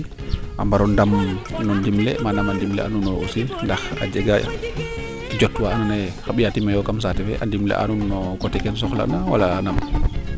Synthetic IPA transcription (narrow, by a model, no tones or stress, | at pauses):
ʔa̰mbaɾɔndamnɔndimlɛ̰manamandimlɛ̰ʔa̰nunɔʔosindaxa̰d͡ʒɛɡaja̰ | tid͡ʒɔtwaːnunajxaɓijatimajɔkams̬atɛfɛ̰ʔa̰ndimlɛ̰ʔa̰nunːɔkɔtɛkɛns̬ɔxla̰nawa̰laːnam